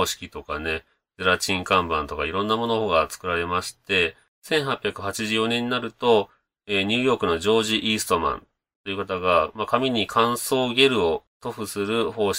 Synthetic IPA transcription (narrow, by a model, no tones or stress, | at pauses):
ɕi̥kʲit̪o̞kane̞ | d͡zeɾat͡ɕĩŋkãmbã̰nt̪o̞kaiɾõ̞nːamo̞no̞hoːɡat͡sɨ̥kɯ̟ɾaɾe̞maɕi̥t̪e̞ | sẽ̞ɰ̃ɦapʲjakɯ̟hat͡ɕiʑɨːjo̞nẽ̞ɲ̟inaɾɯ̟t̪o̞ | eːɲ̟ɨːjo̞ːkɯno̞ʑo̞ːʑiʔiːsɨ̥t̪o̞mã̰n | t̪o̞jiɯ̟kat̪aɡamakamʲiɲ̟ikʰãɰ̃so̞ːɡʲe̞ɾɯ̟o̞t̪o̞ɸɯ̟sɨɾɯ̟ho̞ːɕ